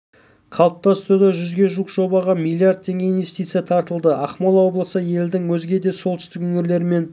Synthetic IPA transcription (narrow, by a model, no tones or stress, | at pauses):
qʰɑlˠəp̚t̪ɑst̪əɾud̪ɑʒʏzɡʲe̞ʒuqʒ̥o̞bɑʁɑmilʲˠijaɾd̪̚tʰːe̞ŋɡʲe̞inve̞st̪ijt̪sɨjat̪ʰɑɾt̪əlˠd̪əʔɑχmolˠwo̞blˠəsəje̞ld̪ɪŋwɵzɡʲe̞d̪e̞so̞lt̪ʏ̥st̪ɪkɵŋɪɾle̞ɾɪme̞n